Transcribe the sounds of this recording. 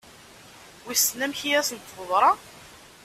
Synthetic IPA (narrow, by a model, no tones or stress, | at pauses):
wisnæmçijæsənt̪ːvəðˤɾˤɑ